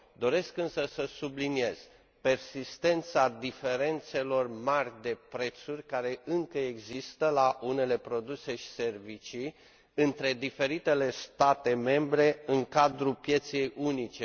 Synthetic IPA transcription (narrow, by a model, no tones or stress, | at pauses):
d̪o̞ɾe̞skɨnsəsəsublinie̞z̥ | pe̞rsist̪e̞nt̪sad̪ife̞ɾe̞nt̪se̞lo̞rmarʲd̪e̞pɾe̞t̪surʲkaɾe̞ɨŋkəeɡzist̪əlaʔune̞le̞pɾo̞d̪use̞ʃi̥se̞rvit͡ʃi | ɨnt̪ɾe̞d̪ife̞ɾit̪e̞le̞st̪at̪e̞me̞mbɾe̞ɨŋkad̪ɾupje̞t̪se̞junit͡ʃe